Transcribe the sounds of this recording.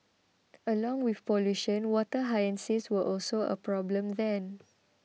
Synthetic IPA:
əlɔ̃ŋwifpɔluʃə̃nwɔtəɦajə̃nsiswəʔɔlsoə̰pɹɔblə̃mðɛ̃n

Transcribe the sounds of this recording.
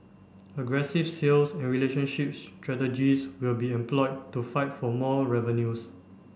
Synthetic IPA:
əɡɹɛsivselsɛ̃nɹileʃə̃nʃipstʰɹɛtəd͡ʒiswilbiɛ̃mplɔɪd̚tːufaɪtfɔmɔɹɛvə̃njus

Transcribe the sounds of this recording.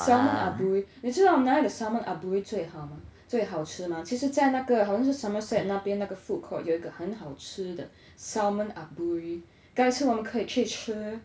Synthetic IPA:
saʊmənabuiniʈ͡ʂɻ̩d̪naiɡəsaʊmənʔabuit͡sweɪxɑʊmat͡sweɪɦɑʊʈ͡ʂ̩ʰmat͡ɕʰiʂɻ̩t͡saɪnaɡəxaʊɕjɑŋʂ̬̩saməsɛt̚napjɛnaɡəfukʰɔ̰joʊiɡəxənxɑʊʈ͡ʂ̩ʰd̪ə | saʊmənabuɹi | kaɪɻ̩wɔmənkʰɤikʰəiʈ͡ʂ̩ʰ

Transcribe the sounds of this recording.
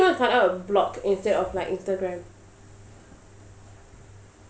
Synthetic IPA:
nɔ̃fãaʊɛblɔkĩnstɛdɔflaɪkĩnstəɡɹɛ̃m

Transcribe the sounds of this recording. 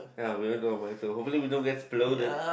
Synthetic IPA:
jawidõnɡoə̃maɪsoɦopfəliwidõnɡɛtsploʊdəd̚

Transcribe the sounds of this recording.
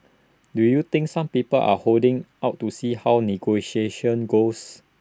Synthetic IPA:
dujut̪ɪ̃ŋksãmpipəlʔa̰holdɪ̃ŋʔaʊtːusihawniɡoʃieʃə̃nɡos

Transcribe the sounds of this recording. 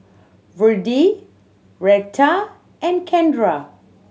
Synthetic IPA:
vədi | ɹɛk̚tʰa | ʔɛ̃nkʰɛ̃ndɹa

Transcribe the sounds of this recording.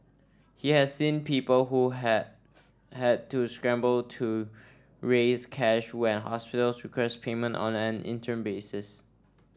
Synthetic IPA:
hihɛssĩnpʰipəlɦu | hɛd̚tʰuskɹɛ̃mbəltʰu | ɹeskʰɛʃwɛ̃nɦɔ̰spɪtəlsɹikʰɹɛspʰemə̃ntɔ̰̃nɛ̃nɪ̰̃ntʰə̃nbesɪs

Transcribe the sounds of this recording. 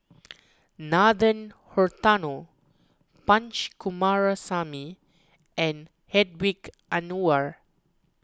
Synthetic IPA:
nadə̃nhɔɹt̪ano | pãnt͡ʃkumaɹasami | ʔɛ̃n | hɛd̚wik | anuaɹ

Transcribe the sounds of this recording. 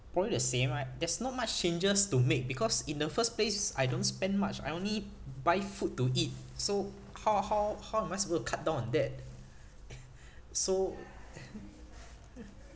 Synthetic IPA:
pɹɔblidəsẽmadɛsnɔt̚mat͡ʃt͡ʃẽnd͡ʒəstumek̚bikʰɔsĩndəfəsplesa̰jdõnspɛ̃nmat͡ʃa̰jõnlibaɪfutːuit̚so | hawhawhawɛ̃masibətukʰat̚dãʊ̃nɔ̃ndɛt̚ | so

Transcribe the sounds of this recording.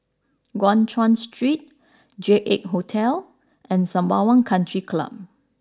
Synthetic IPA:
ɡɔ̃ntʰɹɔ̃nstɹit̚ | d͡ʒeʔek̚ɦotʰɛl | ʔɛ̃nsãmbawə̃nkʰãntɹikʰla̰p̚

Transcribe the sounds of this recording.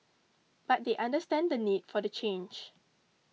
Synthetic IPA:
b̥at̚deʔãndəstɛ̃ndənid̚fɔdət͡ʃẽnd͡ʒ

